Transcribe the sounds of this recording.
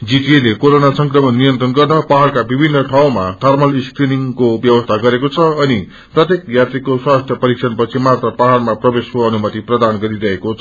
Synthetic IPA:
d͡ziʈelekoɾonasʌŋkrʌmʌnːijʌnt̪rʌnɡʌrnʌpaɦarkabibʱinːʌʈʰaw̃maʈʰʌrmʌlskriniŋkobjʌbʌst̪ʰaɡʌɾekot͡sʰʌʌni | prʌt̪jekjat̪rikoswast̪ʰjʌpʌɾiksʰʌnpʌt͡sʰimat̪rʌpaɦarmaprʌbeskoʌnumʌt̪iprʌd̪anɡʌɾiɾʌɦekot͡sʰʌ

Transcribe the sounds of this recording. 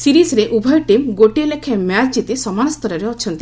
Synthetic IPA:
siɾisɾeʔubʱɔjɔʈimɡoʈilekʰemat͡ʃd͡ʒit̪isɔmanɔst̪ɔɾɔɾeɔt͡ʃʰɔnt̪i

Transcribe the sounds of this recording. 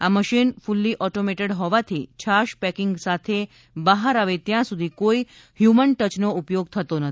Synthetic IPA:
aməʃinfulːiʔɔʈomeʈeɽɦɔʋat̪ʰḭt͡ɕʰaʃpɛkɪŋɡsat̪ʰe | bəɦaɾaʋet̪jãsud̪ʱikoi | hjumənʈət͡ʃnoupjoɡ̚t̪ʰət̪onət̪

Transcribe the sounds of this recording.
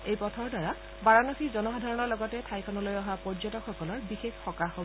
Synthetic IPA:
ejpɔtʰɔɹdaɹa | baɹanɔxizɔnɔxadʱaɹɔnɔɹlɔɡɔtɛtʰajkʰɔnɔlojɔɦapɔɹd͡ʒɔtɔkxɔkɔlɔɹbixexxɔkaxob

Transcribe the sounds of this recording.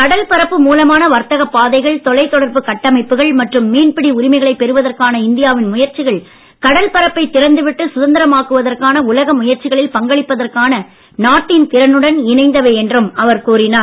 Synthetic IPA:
kɐɽɐlpɐɾɐpːɯmuːlɐmaːnɐʋɐɾt̪ɐɣɐpːaːðɐɪɣɐɭt̪ɔlɐɪt̪ːɔɽɐɾbɯkɐʈːɐmɐɪpːɯɣɐɭmɐʈrɯmːiːnpɪɽiʊɾɪmɐɪɣɐɭɐɪpːɛɾɯʋɐðɐrkaːnɐɪnd̪ɪjaːʋɪnmʊjɐɾt͡ʃɪɣɐɭ | kɐɽɐlpɐɾɐpːɐɪt̪ːɪɾɐnd̪ɯʋɪʈːɯsʊðɐnd̪ɐɾɐmaːkɯʋɐðɐrkaːnɐʊlɐɣɐmʊjɐɾt͡ʃɪɣɐɭɪlpɐŋɡɐɭɪpːɐðɐrkaːnɐ | naːʈːint̪ɪɾɐnɯɽɐnɪnɐɪnd̪ɐʋeːɛndrɯmɐʋɐɾkuːɾɪnaː

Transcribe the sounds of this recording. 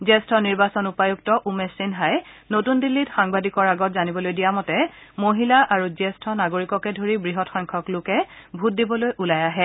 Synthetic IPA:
zɛstʰɔniɹbasɔnupajuktɔʔumesinɦaj | notundilːitxaŋbadikɔɹaɡɔtzanibɔlojdijamɔtɛ | moɦilaʔaɹuzɛstʰɔnaɡoɹikɔkɛdʱoɹibɹiɦɔtxɔŋkʰɔklʊkɛbʱut̚dibɔlojʔulajaɦɛ

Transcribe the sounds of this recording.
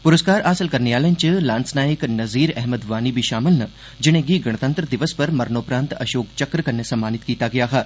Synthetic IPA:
pʊɾəskaːɾaːsɪlkɐɾneaːlẽnt͡ʃəlãːnsnaːjəknɐziːɾɛɦməd̪ʋaːnibʱiʃaːmɪlnɐ | d͡ʒɪnẽɡiɡɐɽ̃t̪ə̃nt̪ɾəd̪ɪʋəspɐɾmɐɾnoːpɾãːnt̪ɐ̰ʃoːkt͡ʃɐkɾkɐɾnesɐmːaːnɪt̪kiːt̪aɡɐjaɦaː

